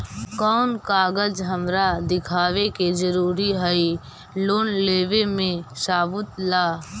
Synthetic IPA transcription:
kɔːnkaːɡəd͡ʒɦəmɾad̪ɪkʰaːʋeked͡ʒəɾuːɾiɦəi | loːnleːʋemẽsaːʋʊt̪laː

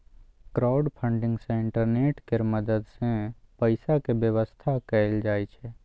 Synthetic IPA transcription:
kɾaːʊɖpʰə̃ɳɖɪ̃ŋɡsẽɪ̃ɳʈəɾneːʈkeɾməd̪əd̪sẽpəɪsakebjəʋəst̪ʰakəɪld͡ʒaːjt͡ʃʰe

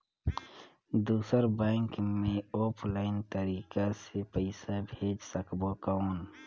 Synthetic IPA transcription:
d̪uːsəɾbɛ̃ŋkmẽoːpʰlaɪnt̪əɾiːkasepəɪsabʱeːd͡ʒsəkbokaʊn

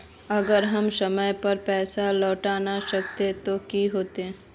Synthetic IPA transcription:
ɐɡəɾɦɐmsɐməjpɐɾpɛːsalɔːʈaːnaʃɐk̚t̪et̪okiɦoːt̪eɛ̃ː

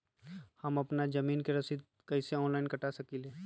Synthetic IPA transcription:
həmɐpnad͡ʒɐmiːnkeɾɐsid̪̚ | kəɪseɔ̃ːnlaɪnkɐʈasɐkileː

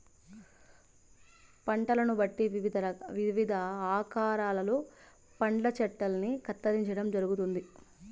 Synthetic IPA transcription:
pɐɳʈɐlɐnubɐʈːiʋiʋid̪ʱɐɐʋiʋid̪ʱɐaːkaːɾaːlɐloː | pɐɳlɐt͡ʃɛʈːɐlɐnikɐt̪ːɐd̪iɲt͡ʃɐɽɐmd͡ʒɐɾuɡut̪und̪i

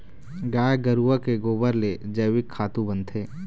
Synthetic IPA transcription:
ɡaːjɡəɾuəkeɡoːbəɾled͡ʒəjwɪkʰːaːt̪ũbə̃nt̪ʰeː

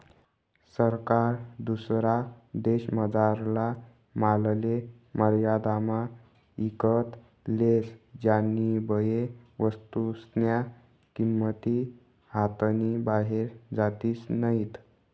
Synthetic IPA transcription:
səɾkaɾd̪usɾad̪eɕməd͡zaɾla | malle | məɾjad̪ama | ikət̪ | lesd͡ʑanːibəje | ʋəst̪usnja | kimːət̪i | hat̪ənibaɦeɾd͡zat̪iːsnəit̪

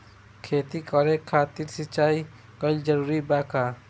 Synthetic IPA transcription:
kʰeːt̪ikɔːɾekʰaːt̪iɾsɪt͡ʃaːi | kəld͡ʒəɾuːɾibaːkaː

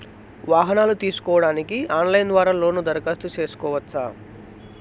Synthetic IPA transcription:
ʋaːɦɐnaːlut̪iːsu̥kɔːʋɐɽaːnikiaːnlɐjnd̪ʋaːɾaːlo̞ːnud̪ɐɾɐkast̪ut͡ʃe̞ːsu̥kɔːʋɐtsaː

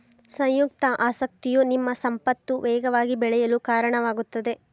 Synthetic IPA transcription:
sɐ̃jjuk̚t̪ɐʔaːsɐk̚t̪ijunimːɐsɐmpɐt̪ːuʋɛːɡɐʋaːɡibɛɭɛjɐlukaːɾɐɳɐʋaːɡut̪ːɐd̪e̞

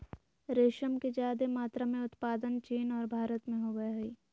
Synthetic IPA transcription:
ɾeːʃəmked͡ʒaːd̪emaːt̪ɾamẽʊt̪paːd̪ənt͡ʃiːnɔːɾbʱaːɾət̪mẽɦoɡəɦiː

